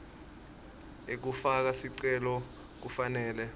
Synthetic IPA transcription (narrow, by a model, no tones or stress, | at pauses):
ek̬ufak̬asiǀɛlɔ | k̬ufanɛːlɛ